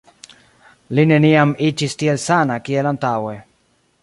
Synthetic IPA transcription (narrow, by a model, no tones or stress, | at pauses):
lineniamit͡ʃist̪ielsanakielant̪awe